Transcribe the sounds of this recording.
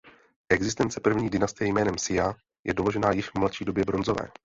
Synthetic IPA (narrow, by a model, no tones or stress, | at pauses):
ʔɛɡzɪs̬t̪ɛnt͡sɛpr̩vɲiːdɪnast̪ɪjɛjmɛːnɛmsɪja | jʔɛ̰doloʒɛnaːjɪʃvmlat̪ʃiːdo̞bjɛbɾo̞nzo̞vɛ̰ː